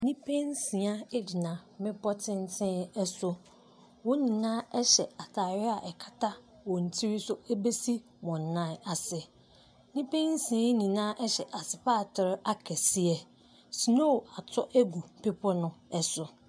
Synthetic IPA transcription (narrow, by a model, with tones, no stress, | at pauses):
nĩ˦pʰẽ˦n˦sĩ˨a˦e˦di˨nã˨mɪ̃˦bɔ˦tʰɪ̃˦n˦tʰɪ̃˦ɛ˦sʊ˦ | wɔ˦nĩ˨nãː˦ɛ˦ɕɛ˨a˨tʰaː˨ɥɪ˦a˨ʔɛ˨kʰḁ˦tʰa˦ | wɔ˨n̩˨tʰi˦ɾi˦sʊ˦e˦be˦si˦ | mɔ̃˨n̩˨nã˦˨a˨sɪ˨ | nĩ˦pẽ˦n˦sĩ˨ã˦nĩ˨nãː˦ʔɛ˦ɕɛ˨ʔa˨sɪ˨pa˦˨tʰɪ˨ɾʔa˦kʰɛ˨si˦ɛ˨ | si˨nõ˦˨a˨tʰɔ˦ʔɛ˦ɡu˨m˨pe˦pʰɔ˦nʊ̃˦ɛ˦sʊ˨